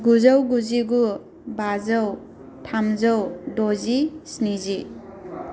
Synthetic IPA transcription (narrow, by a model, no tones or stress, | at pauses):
ɡuzawɡuziɡu | bazaw | tʰamzawdozisnizi